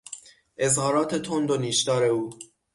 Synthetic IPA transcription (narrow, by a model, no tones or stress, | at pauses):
ʔe̞zhɒːɾɒːt̪ʰe̞t̪ʰond̪oniːʃd̪ɒːɾe̞uː